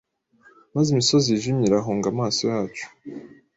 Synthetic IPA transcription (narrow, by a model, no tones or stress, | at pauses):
mazimiso̞ziʒimɲiɾaɦoŋɡamaːsojaːt͡ʃu̥